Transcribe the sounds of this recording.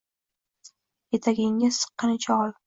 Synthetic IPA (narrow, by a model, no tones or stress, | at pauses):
jet̪ʰaɡʲɪŋːɪz̥sɨ̥qːɨnɪt͡ʃʰaɒl